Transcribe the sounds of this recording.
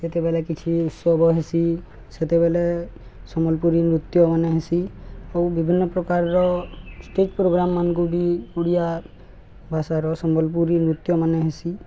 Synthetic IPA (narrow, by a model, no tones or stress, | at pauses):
set̪ɛbɛlɛkit͡ʃʰiut̪sɔbɔɦesi | set̪ɛbɛlɛ | sɔmɔlpuɾimɾut̪jɔmanɛɦesiawbibʱinːɔpɾɔkaɹːɔsʈet͡ʃpɾoɡɾamːankubiuɽija | bʱasaɾɔsɔmɔlp̬uɾimɾut̪ːjɔmanɛɦesi